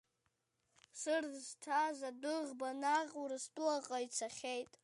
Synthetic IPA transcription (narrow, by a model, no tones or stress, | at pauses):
sɨrztʰazadɨʁbanaʁuɾɨstʼlaqʼait͡sʰaχʲejtʼ